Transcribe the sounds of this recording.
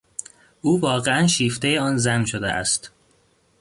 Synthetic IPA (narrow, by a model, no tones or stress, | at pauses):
ʔuːvɒːɣeænʃiːft̪ejeɒːnzæmʃod̪ḛʔæ̰st̪